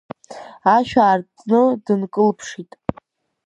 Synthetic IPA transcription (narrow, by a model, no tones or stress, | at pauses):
aʃᶣaːrt͡sʼnɨdɨnkʼɨlpʰʂitʼ